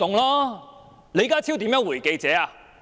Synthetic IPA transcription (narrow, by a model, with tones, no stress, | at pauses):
t̪ʊ˨ŋlaː˥ | le˨˧˥kaː˥t͡sʰi˥wt̪iː˨˥mjœː˧˥ŋwu˨˩jke˧jt͡sɛː˨˧aː˧